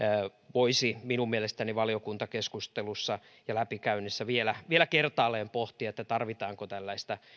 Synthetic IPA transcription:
ʋoisiminummielest̪æniʋɑliokunt̪ɑkeskust̪elusːɑ | jɑlæpikæynːesːæʋielæʋielækert̪ɑːlːeːmpoht̪iɑet̪ːæt̪ɑrʋit̪ɑːŋkot̪ælːæist̪ɑ

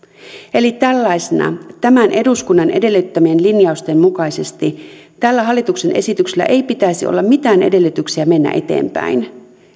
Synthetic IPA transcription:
e̞lit̪ælːɑjsenɑ̰t̪æmænʔe̞duskunːɑnʔe̞de̞lːyt̪ːæmie̞nlinjɑust̪emmukɑjse̞st̪it̪ælːæɦɑlːit̪ukse̞nʔe̞̰sit̪ykselːæ̰ʔe̞jpit̪æjsio̰lːɑmmit̪æːne̞̰de̞lːyt̪yksiæme̞nːæ̰ʔe̞̰t̪e̞̰ːmpæ̰in

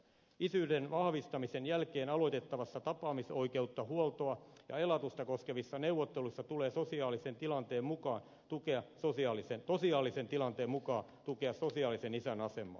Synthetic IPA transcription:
isyːdenʋɑhʋist̪ɑmisenjælkeːnɑloit̪et̪ːɑʋɑsːɑt̪ɑpɑːmisoikeut̪ːɑhuolt̪oɑjɑ̰elɑt̪ust̪ɑkoskeʋisːɑneuʋːot̪ːeluisːɑt̪uleːsosiɑːlisent̪ilɑnt̪eːmmukɑːn | t̪ukeɑsosiɑːlisensosiɑːlisent̪ilɑnt̪eːmmukɑːt̪ukeɑssosiɑːlisenisænɑsemːˑɑ̰ː

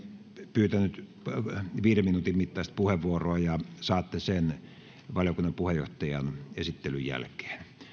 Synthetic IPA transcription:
pyːt̪ænyt̪ | ʋiːɾeminuːt̪immit̪ːɑˑst̪̚puheʋʋuoroɑjɑsɑːt̪ːesen | ʋɑljokunːɑpuhejo̰ht̪ɑjɑnesit̪ːelyjjæ̰lke̥ːn

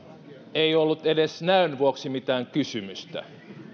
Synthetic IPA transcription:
eiolːut̪edesnæynʋuoksimit̪æːŋkysymyst̪æ̰

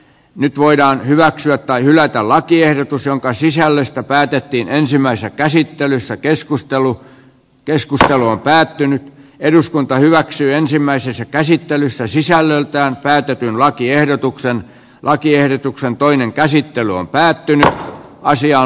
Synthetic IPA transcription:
nyt̪ʋoidɑːnhyʋæksyæt̪tɑihylæt̪ællɑkiehdot̪usjoŋkɑsisælːøst̪æpæːt̪et̪ːiːnensimːˑæisesækæsit̪ːelysːækeskust̪elu | keskust̪eluompæːt̪ːynyt̪eduskunt̪ɑhyʋæksyːensimːæisesːækæsit̪ːelysːæsisælːølt̪æːnpæːt̪et̪ynlɑkiehdot̪uksen | lʔɑkiehdot̪uksent̪oineŋkæsit̪ːelyo̰mpæːt̪ːynyt̪ɑsiɑ

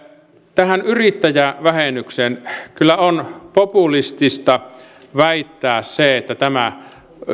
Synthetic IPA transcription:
t̪æhænyrit̪ːæjæʋæhenyksenkylːˑæonpopulist̪ist̪ɑ | ʋæˑit̪ːæːsseet̪ːæt̪æmæ

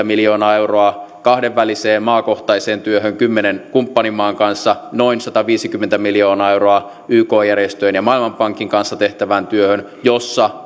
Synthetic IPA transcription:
æmiljoːnɑːewroɑkɑhdeʋːæliseːmmɑːko̞ht̪ɑiseːnt̪yøɦøŋkymːenenkumpːɑnimɑːŋkɑnsːɑno̞insɑt̪ɑʋiːsikymːent̪æmiljoːnɑːewroɑ | ʔyːkoːjærjest̪øenjɑmɑilmɑmpɑŋkːiŋkɑnsːɑt̪e̞ht̪æʋænt̪yøhøn | josːɑ

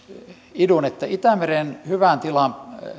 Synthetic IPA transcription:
idunet̪ːæit̪æmerenhyʋænt̪ilɑn

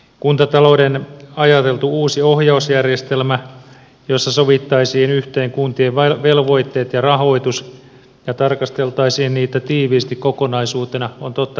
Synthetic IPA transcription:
kunt̪ɑt̪ɑloudenɑjɑt̪e̞lt̪uuːsiohjɑusjærjest̪elmæ | josːɑsoʋit̪ːɑisiːnyht̪eːŋkunt̪ieʋʋelʋo̞it̪ːeːt̪jɑrɑɦo̞it̪us | jɑt̪ɑrkɑst̪elt̪ɑisiːnniːt̪ːæt̪iːʋiːst̪ikkokonɑisuːt̪enɑont̪ot̪ːɑ

